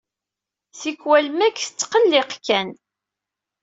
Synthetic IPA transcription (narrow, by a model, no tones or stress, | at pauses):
θikwælmækθə̥t͡sːqəlːɪqkːæn